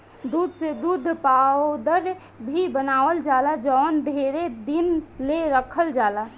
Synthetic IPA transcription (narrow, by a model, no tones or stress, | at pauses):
d̪ud̪ʱsed̪ud̪ʱpad̪əɾ | bʱibənaːʋəld͡ʒalad͡ʒɔːnd̪ʱeɾed̪inleɾəkʰəld͡ʒaːla